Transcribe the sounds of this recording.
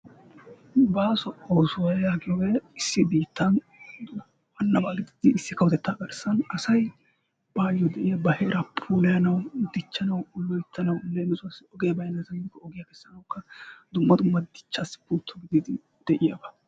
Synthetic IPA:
baːsɔʔoːsʊwɐjjaːɡɪjɔweɪsːɪbiːt̪ːɐn | ʔɐnːɐbaːɡɪd̪ɪd̪ɪːsːɪkɐwt̪ɛt̪ːaːɡɐɾsɐnɐsɐj | b̥aːjɔd̪ɛʔɪjɐbɐheːɾɐpʰuːlɐjɐnɐwd̪ɪt͡ʃːɐnɐwʊlːɔjɪt̪ːɐnɐwneːmɪzʊɐsɪɔɡejbɐjnɐzɐmɪkːɔɔɡɪjakɛsːɐnɐwkːɐd̪ʊmːɐd̪ʊmːɐd̪ɪt͡ʃːaːsːɪ̥puːt̪ʰːɔɡɪd̪ɪd̪ɪ | d̪̥ɛʔɪjabɐ

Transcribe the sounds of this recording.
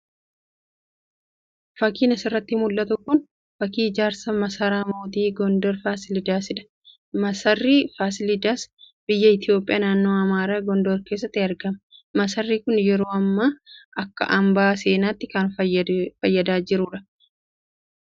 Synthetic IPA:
fɐkiːnɐsɪrːɐt̪ːɪmʊlːɐt̪ʊkʊn | fɐkiːɪd͡ʒaːɾsɐmɐsɐɾaːmoːd̪iːɡɔnd̪ɔːɾfaːsɪlɪd̪aːsɪᶑ̪ɐ̥ | mɐsɐrːiːfaːsɪlɪd̪aːs | b̥ɪjːɐɪt̪ɪjo̞ːpʼɪjʔaːnaːnːo̞ːɐmaːɾaːɡɔnd̪oɾke̞ːs̬ːɐt̪ːɪɐɾɡɐmɐmɐsɐrːiːkʊnjɛɾoːɐmːaːɐkːɐ̰ʔɐmbaːseːnaːt̪ːɪkɐnffɐjːɐd̪aːd͡ʒɪɾʊᶑɐ̥

